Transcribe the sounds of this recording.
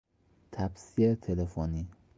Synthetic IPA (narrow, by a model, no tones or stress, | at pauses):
t̪ʰæbsiːet̪ʰelefoniː